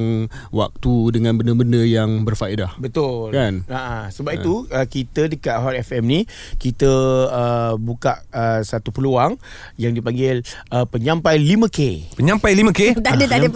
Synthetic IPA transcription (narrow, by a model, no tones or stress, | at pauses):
ŋwa̰k̚t̪udəŋãnbəndəbəndəjaŋbərfaedahbət̪ʊlkanaʔasəbap̚iuəkit̪ədəkaʔɦɔt̪ɛfɛmni | kit̪əəbukaʔəsat̪upəluaŋ | jaŋdipaŋɡɪl | əpəɲãmpajlimə̃kepəɲãmpajlimə̃kedadəadə